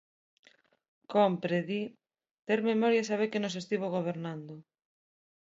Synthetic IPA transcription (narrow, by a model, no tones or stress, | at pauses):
kompɾeði | t̪eɾmemɔɾjas̬aβ̞ekenos̬est̪iβ̞oɣ̞oβ̞eɾnand̪ʊ